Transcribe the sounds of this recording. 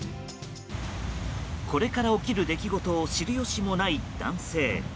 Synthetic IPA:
ko̞ɾe̞kaɾao̞kʲiɾɯ̟d̪e̞kʲiɡo̞t̪o̞ːɕiɾɯ̟jo̞ɕimo̞naid̪ã̰ɰ̃se̞ː

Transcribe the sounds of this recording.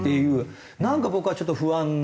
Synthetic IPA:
t̪ejɯ̟ː | nãŋkabokɯ̟at͡ɕo̞t̪ːoɸɯãnː

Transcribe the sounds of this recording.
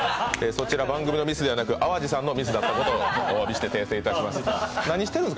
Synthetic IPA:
eso̞t͡ɕiɾabãŋɡɯmino̞mʲisɨd̪e̞anakɯ̟ʔaβaʑisãnːo̞mʲisɨd̪at̪ːako̞t̪o̞ːoabʲiɕi̥t̪e̞t̪e̞ːse̞ːit̪aɕkimasɨ̥naɲ̟iɕi̥t̪e̞ɾɯ̟nsɨk

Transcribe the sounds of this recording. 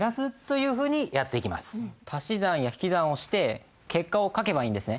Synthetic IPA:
ɾasɨt̪ːo̞jɯ̟ːɸɯ̟ːɲ̟ijat̪ːe̞ikʲima̰sɨ̥t̪ʰaɕizãɰ̃jaçi̥kʲizão̞ɕi̥t̪e̞ | ke̞kːao̞kake̞baĩːnd̪e̞sɨne̞

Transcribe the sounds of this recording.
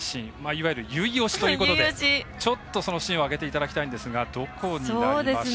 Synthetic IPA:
ɕĩmaiβajɯ̟ɾɯ̟jɯ̟io̞ɕi̥t̪ojiːkot̪odeit͡ɕo̞t̪ːo̞so̞no̞ɕĩɰ̃o̞aɡe̞t̪e̞it̪ad̪akʲi̥t̪aĩnd̪e̞sɨɡad̪o̞kʰo̞ɲ̟iaid̪ema

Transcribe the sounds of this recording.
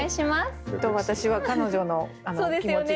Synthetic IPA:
aiɕimast̪oβat̪aɕiβakano̞ʑo̞no̞ | anoːd̪eskimont͡ɕi

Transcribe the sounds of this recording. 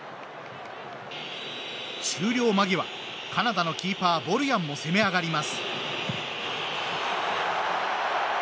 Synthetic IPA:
ɕɨːɾʲo̞ːmaɡʲiβa̰ | kanad̪ano̞kʲiːpaːbo̞ɾɯ̟jãmːo̞se̞me̞aɡaɾʲimasɨ̥

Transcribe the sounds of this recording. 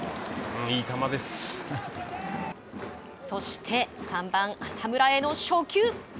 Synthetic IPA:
iːt̪amad̪e̞s | so̞ɕi̥t̪ʰe̞sãmbãŋasamɯ̟ɾae̞no̞ɕo̞ːkʲɨː

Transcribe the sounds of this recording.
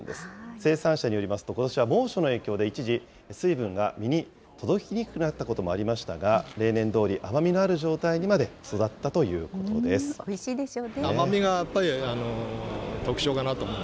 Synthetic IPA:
d̪e̞̰sɨ̥se̞ːsãɰ̃ɕaɲ̟ijo̞ɾʲimasɨ̥t̪o̞ko̞t̪o̞ɕiβamo̞ːɕo̞no̞e̞ːkʲo̞ːd̪e̞it͡ɕiʑi | sɨibɯ̟̃ŋɡa̰mʲiɲ̟i | t̪o̞d̪o̞kʲiɲ̟ikɯnat̪ːako̞t̪o̞mo̞aɾʲimaɕi̥t̪a̰ɡaɾe̞ːnẽ̞nd̪o̞ːɾʲiʔamamʲino̞aɾɯ̟ʑo̞ːt̪aiɲ̟imad̪e̞so̞d̪at̪ːat̪o̞jɯ̟̰ːko̞t̪o̞̰d̪e̞sɨ̥oiɕiːd̪eɕoːneamamʲiɡajapːaɾʲianot̪o̞kɯ̟̥ɕo̞ːkanat̪omo

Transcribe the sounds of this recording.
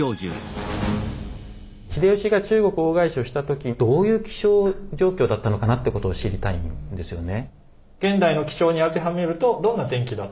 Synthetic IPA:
oːʑɨ̰̃ | çid̪e̞ɯ̟ɕiɡat͡ɕɨːɡo̞kɯ̟oːɡaiɕio̞ɕi̥t̪at̪o̞kʲid̪̥o̞ːjɯ̟ːkʲi̥ɕoːd͡ʑo̞ːkʲo̞ːd̪at̪ːano̞kanat̪ːeko̞t̪o̞ːɕiɾʲit̪aḭ̃nd̪e̞sɨjo̞̰ne̞ | ɡ̥ẽ̞nd̪aino̞kʲi̥ɕo̞ːɲ̟iaɾɯ̟t̪e̞ɦame̞ɾɯ̟t̪o̞d̪õ̞nːat̪ẽ̞ŋkʲid̪a

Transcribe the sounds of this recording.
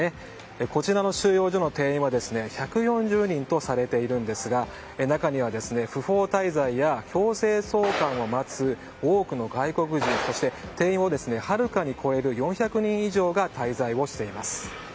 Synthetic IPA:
e | eko̞t͡ɕiɾano̞ɕɨːjo̞ːʑo̞no̞t̪e̞ːĩɰ̃βad̪e̞sɨne̞çakɯ̟jõ̞ɲ̟d͡ʑɨːɲ̟ĩnt̪o̞saɾe̞t̪e̞iɾɯ̟̃nd̪e̞sɨɡa | enakaɲ̟iβad̪e̞sɨne̞ɸɯ̟ɸo̞ːt̪aizaijaço̞ːse̞ːso̞ːkãɰ̃o̞mat͡sɨ | o̞ːkɯ̟no̞ɡaiko̞kɯ̟ʑĩɰso̞ɕi̥t̪e̞t̪e̞ːĩɰ̃o̞d̪e̞sɨne̞haɾɯ̟kaɲ̟ikʰo̞e̞ɾɯ̟jõ̞ɰ̃çʲakɯ̟ɲ̟ĩɰ̃iʑo̞ːɡat̪aizaiβo̞ɕi̥t̪e̞imasɨ̥

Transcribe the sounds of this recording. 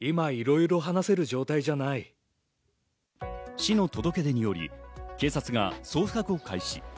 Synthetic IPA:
imaiɾo̞iɾo̞ɦanase̞ɾɯ̟ʑo̞ːt̪aiʑanai | ɕino̞t̪o̞d̪o̞ke̞d̪e̞ɲ̟ijo̞ɾʲḭke̞ːsat͡sɨɡaso̞ːɸɯ̟̥kakɯ̟o̞kʰaiɕi

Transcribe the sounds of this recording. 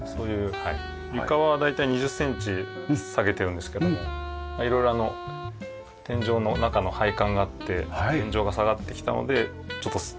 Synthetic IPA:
so̞ːjɯ̟ːha | jʲɯkaβad̪ait̪aiɲ̟iʑɨsːẽ̞ɲt͡ɕi | saɡe̞t̪e̞ɾɯ̟̃nd̪e̞sɨ̥ke̞d̪omomaiɾo̞iɾo̞ano̞ | t̪ẽ̞ɲ̟d͡ʑo̞ːno̞nakano̞haikãŋɡaːt̪ːe̞haẽɲ̟d͡ʑo̞ːɡasaɡat̪ːe̞kʲi̥t̪a̰no̞̰d̪e̞ | t͡ɕo̞t̪ːo

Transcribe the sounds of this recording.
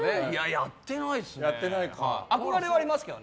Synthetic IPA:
ejajat̪ːe̞naisjat̪ːe̞naikʰa̰akoɾaɾeβaɾʲimasɨ̥ked̪o̰n

